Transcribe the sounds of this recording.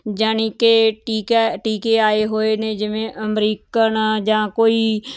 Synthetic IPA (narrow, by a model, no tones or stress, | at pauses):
d͡ʒaːniːkeːʈiːkːʈiːkeːaːeːɦoːeːnẽːd͡ʒɪʋẽːʔəmɾiːkənd͡ʒãːkoːiː